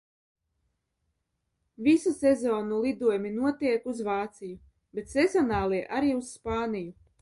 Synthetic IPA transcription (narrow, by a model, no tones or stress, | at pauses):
vʲisusɛzɔːnulˠid̪uɔjmʲinuɔt̪iɛkuzvaːt̪siju | bet̪sezɔnaːlˠiɛʔaɾiːusspaːniju